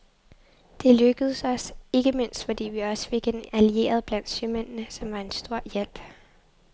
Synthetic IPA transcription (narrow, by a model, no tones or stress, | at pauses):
d̥e̝løɡ̥əð̞̩ˠsɒ̽se̝ɡ̥əme̝n̰sd̥fɒ̽d̥ḭːʋiɒ̽sə̥fe̝ɡ̥enælie̝̰ːɐð̞ˠb̥læn̰d̥symen̰nəsɒ̽mʋɑ̈e̝nsd̥o̝ɐ̰jel̰b̥